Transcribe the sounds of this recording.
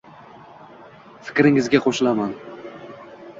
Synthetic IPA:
fɪ̥kʲɾɪŋɪzɡʲaqʰoʃɪlaman

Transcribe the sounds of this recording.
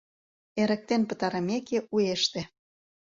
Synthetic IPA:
eɾə̆k̚t̪enpə̆t̪ɑɾəmekeʔueʃt̪ĕ

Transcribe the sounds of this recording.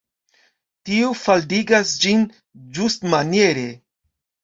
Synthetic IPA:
tiufaldiɡasd͡ʒin | d͡ʒustmanjeɾe̞

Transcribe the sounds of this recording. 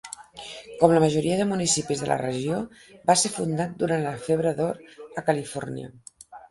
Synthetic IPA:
kɔmləməʒuɾiəðəmunisipizðələ̰rəʒio | basefund̪at̪̚d̪uɾanləfeβɾəðoɾəkəlifɔrniə̰

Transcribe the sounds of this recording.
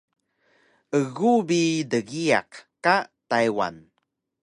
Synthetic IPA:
əɣubidəɣia̰qkːatajwa̰n

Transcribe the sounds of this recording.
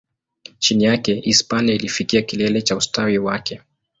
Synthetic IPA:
t͡ʃinijakɛʔispaniailifikiakilɛlɛt͡ʃaustawiwakɛ

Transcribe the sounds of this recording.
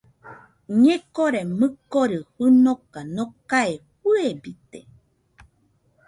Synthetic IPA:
ɲekoɾemɨkoɾɨhɨnokanokaehuebit̪ḛ

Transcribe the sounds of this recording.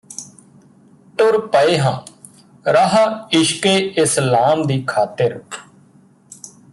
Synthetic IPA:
ʈʊɾpəeːɦãː | ɾaɦaːɪʃkeːɪslaːmd̪iːkʰaːt̪əɾ

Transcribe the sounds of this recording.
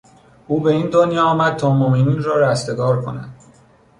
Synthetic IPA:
uːbe̞iːnd̪onjɒːɒːmæd̪̥̚t̪ʰɒːmomininrɒːɾæst̪e̞ɡɒːɾkʰo̞̰næ̰d̪̥

